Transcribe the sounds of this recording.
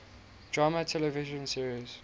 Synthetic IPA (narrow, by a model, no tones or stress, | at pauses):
d̥ɹamətʰɛlɛvɪʒə̃nsiəɹiz